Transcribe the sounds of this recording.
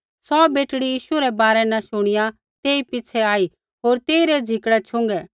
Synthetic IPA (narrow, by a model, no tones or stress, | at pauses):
sɔːbeːʈɽijiːʃuɾɛbaːɾɛnɐʃʊɽ̃ɪja | t̪eːipɪt͡sʰɛaːi | ɦoːɾt̪eːiɾɛd͡zʱɪkɽɛt͡ʃʰʊ̃ŋɡɛ